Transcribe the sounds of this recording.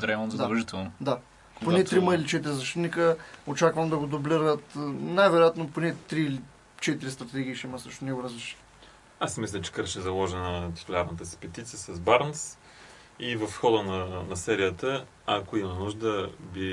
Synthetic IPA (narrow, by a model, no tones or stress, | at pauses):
d̪ɾɛmnzəd̪aɐlˠʒit̪ɛlˠnod̪a | ponɛt̪ɾiməilit͡ʃɛt̪iɾizɐʃt̪it̪nikəot͡ʃakvɐmd̪ɐɡod̪obliɾət̪najvɛɾojat̪noponɛt̪ɾiːli | t͡ʃɛt̪iɾist̪ɾɐt̪ɛɡ̟ʲiːʃɛimɐsɤʃt̪onɛɡoɾəzɾɛʃi̥t̪ | asmislʲət͡ʃɛ̥kəɾʃɛzɐlˠɔʒɛnət̪i̥t̪ulʲaɾnət̪əsi̥pɛt̪it̪siəsɐzbaɾns | ivɐfxɔd̪ənɐnɐsɛɾijət̪ə | ɐkoimənuʒd̪əbi